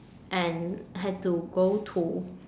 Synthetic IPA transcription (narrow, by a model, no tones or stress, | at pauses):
ʔɛ̃nɦɛd̚tuɡoʊtʰu